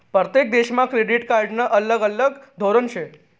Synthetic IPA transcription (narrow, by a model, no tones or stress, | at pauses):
pɾət̪jek̚d̪eɕmãkɾeɖiʈkaɾɖnəʔələɡələɡd̪ʱoɾənɕe